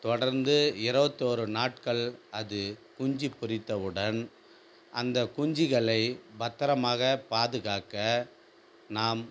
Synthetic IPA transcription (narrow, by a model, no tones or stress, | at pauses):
t̪ɔɽɐɾnd̪ɯɪɾɯbɐt̪ːoːɾɯnaːʈkɐɭɐðɯkʊɲd͡ʒipːʊrɪt̪ːɐʋɯɽɐn | ʔɐnd̪ɐkʊɲd͡ʒɪɣɐɭɐɪbɐt̪ːɐɾɐmaːɣɐpaːðɯɣaːkɐ | naːm